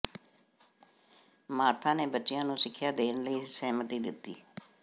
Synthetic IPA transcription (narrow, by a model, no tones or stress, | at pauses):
maːɾt̪ʰãːneːbətːʃɪjãːnũːsɪkʰːjaːd̪eːnləiːsɛːmət̪iːd̪ɪt̪ːḭː